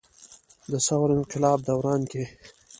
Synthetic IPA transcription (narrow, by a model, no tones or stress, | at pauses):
d̪əsawɾɪnqɪlɑːb̚d̪awɾɑnke